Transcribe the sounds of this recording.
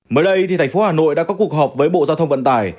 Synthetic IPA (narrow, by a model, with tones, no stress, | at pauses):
məː˨˦jɗə˧jt̪ʰi˨˩t̪ʰŋ̟fo˨˦haː˨˩no̰˧˨jɗa̰ː˧˥kɔ˨˦ku˨˩ək̚ɦɔː˨˩p̚vəː˨˦jɓo̰˧˨zaː˧wt̪ʰə˧wŋ͡mvə̰˧˨nt̪aː˧˩j